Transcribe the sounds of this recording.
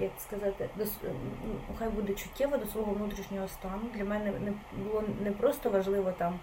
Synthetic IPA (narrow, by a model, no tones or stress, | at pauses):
jɐkskɐzɑt̪ɪd̪ɔsnuxajbud̪ɛt͡ʃʊ̥tʲːɛʋɐd̪ɔsʋɔɦɔʋnut̪ɾʲiʃnʲɔɦɔst̪ɑnʊd̪lʲɐmɛnɛnɛbʊlˠɔnɛpɾɔst̪ɔʋɐʒlˠɪʋɔt̪ɑm